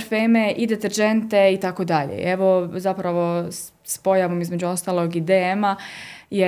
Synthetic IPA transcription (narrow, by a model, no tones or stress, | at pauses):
ɾfeːmeʔid̪et̪eɾd͡ʒent̪e̞it̪akod̪aʎḛeʋo̞zapɾaʋo̞ | spo̞jaʋomizme̞d͡ʑuost̪aːlˠo̞ɡid̪eemaje